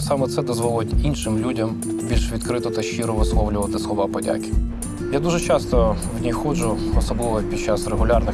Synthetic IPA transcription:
sɑmɛt̪sɛd̪ɔzʋɔlˠʊtʲinʃɪmlʲudʲɐm | bʲilʲʃʋʲid̪̚kɾɪt̪ɔt̪ɐʃt͡ʃiɾɔʋɪslˠɔwlʲʊʋɐt̪ɪslˠɔʋɑpɔdʲa̰kʲɪ̥ | jad̪uʒɛt͡ʃɑst̪ɔ | wnʲixɔd͡ʒʊɔsɔblɪʋɔpʲid̪̚t͡ʃɑsreɦʊlʲɑrnɪ

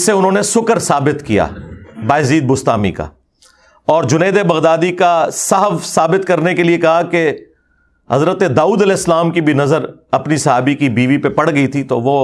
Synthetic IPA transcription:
sːeʊnɦõːnesʊkəɾsaːbɪt̪kija̰ːbaːɪziːd̪̚bʊst̪aːmḭka̰ | ɔːɾd͡ʒʊneːd̪ebɐɣd̪aːd̪ikasɐɦəʋsaːbɪt̪kɐɾnekeliekɐɦake | hɐzɾət̪ed̪aːuːd̪ɐlɛːɪsːəlaːmkibʱinɐzəɾɐpnisɐɦaːbikibiːʋipepɐɽ̤ɡɐit̪ʰit̪oʋoː

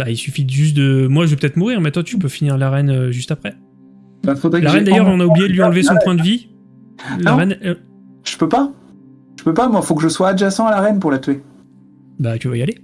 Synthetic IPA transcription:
bailsyfiʒyst̪̚d̪əmwaʒəvəpə̥t̪ɛt̪χmuʁiʁmɛ̃t̪ɑ̃t̪ypøfiniʁlaʁɛnøʒyst̪apχɛ | bafod̪ʁɛlaʁɛnd̪ajœʁɔ̃naublijed̪əɥiɑ̃lvesɔ̃pwɛ̃d̪əvi | laʁɛn | ʒ̥əpøpa | ʒ̥əpøpamwafokəʒəswaːʒasɑ̃alaʁɛnpuʁlat̪ɥe | bat̪yvajale

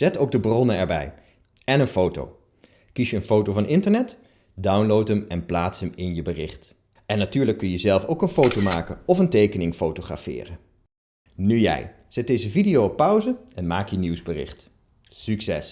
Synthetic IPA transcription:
z̥ɛtowɡ̚dəbrɔnənɛɹbɛ̰j | ɛnənfowto̰w | kisjəənfowtowvɑnʔɪntəɹnɛt | dʌwnlowtəmɛnplaːtsəmɪnjəbərɪχt | ɛnːatyːɹləkːɵnjəzɛlˠfowkənfowtowmaːkəɔfəntejkənɪŋfowtoχra̰fɪ̰ːrə | nyjɛ̰j | z̥ɛt̚dejzəvidijowɔpːœwzəɛnmaːkjəniwzbərɪ̰χt | syksɛ̰s

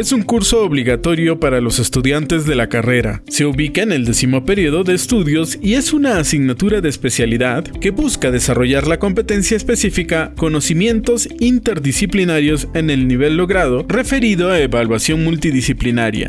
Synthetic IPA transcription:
e̞suŋkuɾso̞ːβliɣat̪o̞ɾjo̞paɾalo̞se̞st̪uðjant̪e̞zðe̞lakare̞ɾa̰se̞uβikaene̞ld̪e̞simo̞pe̞ɾio̞ðo̞ðe̞ːst̪uðjo̞sie̞sunaːsiɣnat̪uɾaðe̞ːspe̞sjaliðaðke̞buskaðe̞saro̞ʝaɾlako̞mpe̞t̪e̞nsjaespe̞sifikako̞no̞simje̞nt̪o̞sint̪e̞ɾðisiplinaɾjo̞se̞ne̞lniβ̞e̞lːo̞ɣɾaðo̞re̞fe̞ɾiðo̞aeβalwasjo̞ŋmult̪iðisiplinaɾja̰

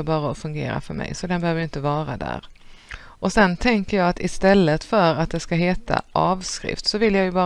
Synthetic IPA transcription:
bɑːɾaɔfɵŋɡḛːɾa̰fœɾmɛ̰jsɔd̪ɛnbɛhøːvəjʏnt̪əvɑːɾad̪æ̰ːɾ | ʔɔsɛnt̪ʰɛŋkəjɑːat̪ɪst̪ɛlːət̪fœɾat̪̚d̪ɛskaɦeːt̪a̰ʔɑːvskɾɪ̰ft̪sɔvɪljajɵbɑː

